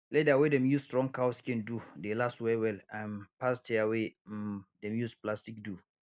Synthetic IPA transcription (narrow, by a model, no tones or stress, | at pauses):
lɛdeawedɛ̃mjusstɹɔ̃ŋkawskɛ̃ndudelastwɛwɛlãnpastʰɛawe | dɛ̃mjusplastikdu